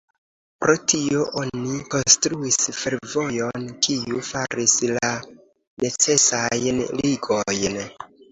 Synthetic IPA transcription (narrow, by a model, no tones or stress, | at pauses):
pɾo̞tio̞ʔo̞niko̞nstɾuisfe̞ɾvo̞jo̞nkiufaɾisla | ne̞t͡se̞sajnliɡo̞jn